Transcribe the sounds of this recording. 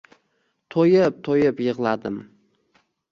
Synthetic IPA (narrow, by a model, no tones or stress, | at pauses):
t̪ʰojɪp̚t̪ʰojɪpjɨʁlˠad̪ɪm